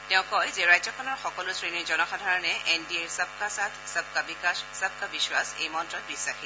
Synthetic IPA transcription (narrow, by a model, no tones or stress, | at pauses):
tɛʊ̃kɔjzeɹajzɔkʰɔnɔɹxɔkɔlʊsɹiniɹzɔnɔxadʱaɹɔnɛʔʔɛndieɹsab̚kasatʰsab̚ʱkabikassab̚ʱkabiswasḛjmɔntɹɔt̚bisːaxi